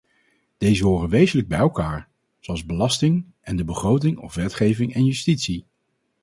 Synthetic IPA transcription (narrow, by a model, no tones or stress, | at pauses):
d̥ejzəɦʊːrənʋejzələɡ̚bɛjɛlˠkaːɹ | zowɑlˠzbəlɑstɪŋ | ʔɛndəbəχrowtɪŋɔ̰fʋɛtχejvɪŋɛnjystitsi